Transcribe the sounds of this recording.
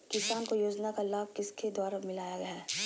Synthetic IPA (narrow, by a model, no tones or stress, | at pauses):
kɪsaːnkojoːd͡ʒnakalaːb̚kɪsked̪waːɾamɪlaːjaɡɐjaː